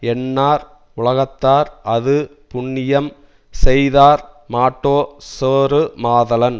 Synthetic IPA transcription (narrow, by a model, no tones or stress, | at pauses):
ɛnːaːɾ | ʊɭɐɣɐt̪ːaːɾɐðɯ | pʊɳːɪjɐm | sɛjðaːɾmaːʈːoːseːɾɯmaːðɐlɐn